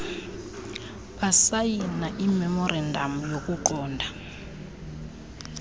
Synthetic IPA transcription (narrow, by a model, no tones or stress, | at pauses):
ɓasajinaʔimɛmɔrandʱamujok̬ʼuǃɔːndʱa